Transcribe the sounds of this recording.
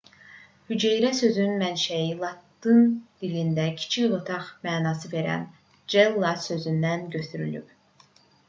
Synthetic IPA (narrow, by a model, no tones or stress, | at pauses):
hyd͡ʒejɾæsø̞zynmænʃæjilˠɑt̪ːɯnd̪̥ilind̪æcʰi̥t͡ʃʰiʁut̪ʰɑχmæːnɑsɯve̞ɾæ̰n | d͡ʒelˠːɑsø̞zynd̪ænɟø̞t̪ʰyɾy̰lyp